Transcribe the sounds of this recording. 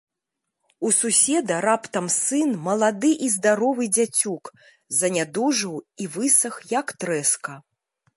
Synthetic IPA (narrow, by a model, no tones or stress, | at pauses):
ususʲɛd̪ɐɾapt̪ɐmsɨnmɐlˠad̪ɨʔizd̪aɾɔvɨd͡zʲat͡sʲuk | zɐnʲad̪uʐɨwivɨsɐxjɐkt̪ɾɛskɐ